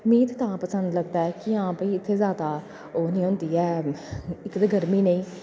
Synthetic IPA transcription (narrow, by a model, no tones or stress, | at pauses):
miːt̪t̪ãːpəsə̃nd̪ləɡ̚d̪aːɛːkɪãːpəiːɪt̪ʰːeːzjaːd̪aː | oːnĩːɦʊ̃nd̪iːɛː | ɪkd̪eɡəɾmiːnəĩː